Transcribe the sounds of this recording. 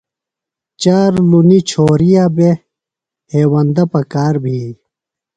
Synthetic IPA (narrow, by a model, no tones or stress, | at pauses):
t͡ɕaːɾlunit͡ɕʰoːɾijabe | heːwɐnd̪ɐpɐkaːɾbʱi